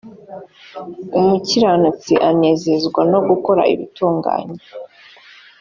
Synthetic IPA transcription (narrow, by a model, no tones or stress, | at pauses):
umuciɾanut͡siʔane̞ːze̞zɡwano̞ɡuko̞ɾa̰ḭβituːŋɡa̰ːɲe